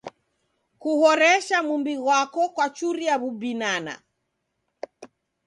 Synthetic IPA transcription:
kuhɔɾɛʃamumbiɣwakɔkwat͡ʃuɾiaβubinana̰

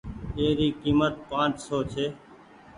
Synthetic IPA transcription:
eːɾiːkiːmət̪̚pãːt͡ʃsoːt͡ʃʰeː

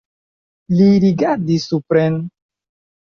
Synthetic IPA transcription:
liɾiɡaɾdisːupɾen

